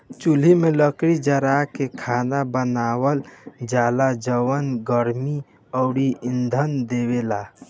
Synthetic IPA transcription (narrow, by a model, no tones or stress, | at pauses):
t͡ʃul̤imeləkɾid͡ʒəɾakekʰanabənaːwəld͡ʒaːlad͡ʒəwənɡəɾmi | ɔʊɽiind̪ʱənd̪ebela